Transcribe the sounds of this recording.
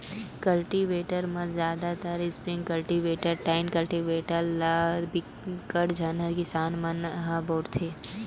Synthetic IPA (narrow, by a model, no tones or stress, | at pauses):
kɐlʈiʋeːʈəɾmɐ̃zjaːd̪at̪əɾɪspɾɪ̃ŋɡkɐlʈiʋeːʈəɾʈaːɪnkɐlʈiʋeːʈəɾlaɾbɪ | kəɽd͡ʒʱɐnəɾkɪsaːnmɐnɦãboːɾt̪ʰeː